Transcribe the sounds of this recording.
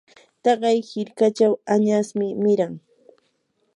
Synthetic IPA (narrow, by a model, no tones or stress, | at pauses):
t̪ɑɢɑjhɪɾkat͡ʃawaɲasmɪmɪɾaŋ